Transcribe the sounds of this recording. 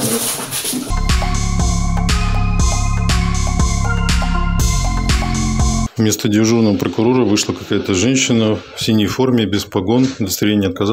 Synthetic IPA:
vmʲe̞st̪ədʲɪʐurnəvəpɾəkʊɾo̞ɾəvɨʂlˠəkɐkajət̪əʐɛnʲɕːɪnəfsʲinʲːəjfo̞rmʲɪbʲɪspɐɡo̞nʊd̪əst̪ɾʲɪɾʲenʲjəɐt̪̚kɐz

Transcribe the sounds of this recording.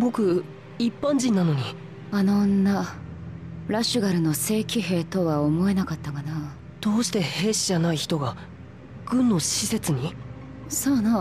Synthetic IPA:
bo̞kɯ̟ | ipːãɲd͡ʑĩnːano̞ɲ̟i | anonːa | ɾaɕɨɡaɾɯ̟no̞se̞ːkʲiɦe̞ːt̪o̞βaomo̞e̞nakat̪ːakana | t̪o̞ːɕi̥t̪e̞he̞ːɕid͡ʑanaiçi̥t̪o̞ɡa | ɡ̥ɯ̟̃nːo̞ɕise̞t͡sɨɲ̟i | soːna

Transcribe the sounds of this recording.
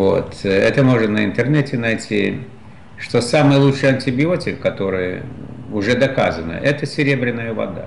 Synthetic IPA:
vo̰t̪ɛt̪əmo̞ʐɨt̪nəɪnt̪ɨrnɛtʲɪnɐjtʲi | ʂt̪o̞samɨjlˠutʂɨjɐnʲtʲɪbʲɪo̞tʲɪkːɐt̪o̞ɾɨjəʊʐɛd̪ɐka̰zənə̰ʔɛt̪əsʲɪɾʲebɾʲɪnːəjəvɐ̰d̪a̰

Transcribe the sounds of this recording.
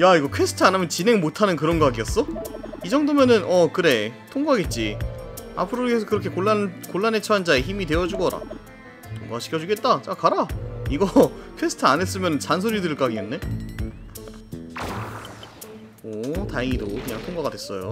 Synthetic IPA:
jaiɡʌkʰwe̞sʰɯ̥tʰɯanɯmjʌnt͡ɕine̞ŋmotʰanɯnkɯɾʌnɡaɡiʌs͈ʌid͡ʑʌŋdomjʌnɯnʔʌkɯɾe̞tʰoŋɡuaɡe̞t̚t͡ɕ͈ia̰pʰɯɾokesʰʌkɯɾʌkʰe̞koɭːakoɭːanet͡ɕʰʌɦand͡ʑaeçimitwe̞jʌd͡ʑuɡʌɾa̰ | tʰoŋɡaaɕʰi̥kʰʌd͡ʑuɡe̞t̚t͈at͡ɕekaɾaiɡʌkʰwe̞sʰɯ̥tʰɯanes͈ɯmjʌnɯnt͡ɕansʰoɾidɯɭk͈aɡienːe̞ | ʌtaeŋidokɯɲaŋtʰoŋɡaɡadwes͈ʌjo

